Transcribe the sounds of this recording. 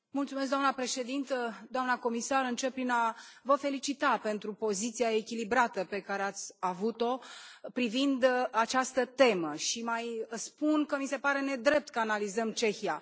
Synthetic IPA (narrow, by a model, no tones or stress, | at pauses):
mult̪sumes̬d̪amnəpɾe̞ʃe̞d̪int̪əd̪oamnəko̞misaɾɨnt͡ʃe̞p̚pːɾinavəfe̞lit͡ʃit̪ape̞nt̪ɾupo̞zit̪sijae̞kʲilibɾat̪əpe̞kaɾeat̪sʲavut̪o̞pɾivind̪at͡ʃast̪ət̪e̞məʃimajspunkəmise̞paɾe̞ne̞d̪ɾe̞p̚t̪kəanalizəmt͡ʃe̞xija